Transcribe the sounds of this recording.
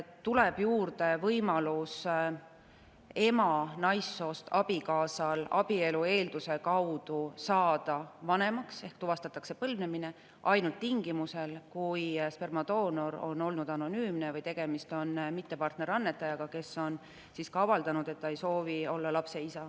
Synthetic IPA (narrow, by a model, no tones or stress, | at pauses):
t̪ːuleb̥juːrd̪e̞vɤjmɑlus | e̞mɑnɑjsːo̞ːst̪ɑb̥ikɑːsɑlɑ̰b̥ie̞lue̞ːld̪̥use̞kɑwd̪̥usɑːd̪̥ɑvɑne̞mɑkse̞hkt̪uvɑst̪ɑt̪ːˑɑkse̞pɤlvnemine̞ | ʔɑjnult̪ːiŋɡ̥imuse̞lkujspermɑd̪̥o̞ːno̞ɾo̞̰nːo̞lnud̪̥ɑno̞nyːmnevɯjt̪e̞ɡ̥e̞mist̪o̞nːmit̪ːe̞pɑrt̪ne̞ɾɑnːe̞t̪ːˑɑjɑɡ̥ɑke̞sːo̞n | siːskɑvɑld̪ɑnud̪̥e̞t̪ːɑe̞jso̞ːvio̞lːɑlɑpse̞isɑ